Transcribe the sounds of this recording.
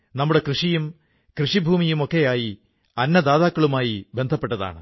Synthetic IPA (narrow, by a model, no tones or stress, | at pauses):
nɐmːuɽe̞krɨʂijum | krɨʂibʱuːmijumo̞kːe̞jaːji | ɐnːɐd̪aːðaːkːɐɭumaːjibe̞nd̪ʱɐpːe̞ʈːɐða̰ːɳɨ̰